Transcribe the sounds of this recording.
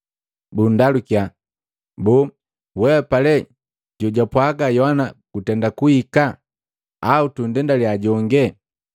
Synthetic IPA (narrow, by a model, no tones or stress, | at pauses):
bundalukija | bɔ | wɛɛpalɛ | ɟɔɟapwaɡajɔanakutɛndakuhika | autun̩dɛndaliaɟɔŋɡɛ